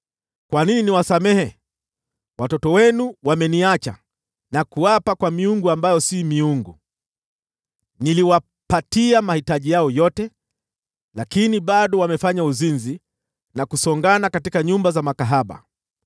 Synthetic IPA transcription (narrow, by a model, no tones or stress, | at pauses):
kwanininiwasamɛhɛ | watɔtɔwɛnuwamɛniat͡ʃa̰ | nakuapakwamiuŋɡuambajɔsimiuŋɡṵ | niliwa | patiamahitaʄijaɔjɔtɛ | lakiniɓaɗɔwamɛfaɲauzinzi | nakusɔŋɡanakatikaɲumbazamakaɦaɓa̰